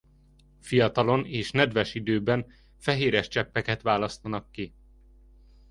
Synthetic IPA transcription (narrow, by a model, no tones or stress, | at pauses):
fijɒt̪ɒlo̞neːʃnɛd̪vɛʃid̪øːbɛn | fɛɦeːɾɛʃt͡ʃɛpːɛkɛt̪ʋaːlɒst̪ɒnɒkːi